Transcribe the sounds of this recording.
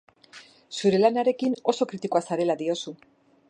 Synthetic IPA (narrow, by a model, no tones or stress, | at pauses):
suɾe̞lanaɾe̞kino̞so̞kɾit̪ikoasaɾe̞laðio̞su